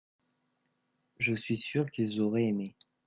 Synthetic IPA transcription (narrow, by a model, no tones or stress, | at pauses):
ʒəsɥisyʁkilzɔʁɛeme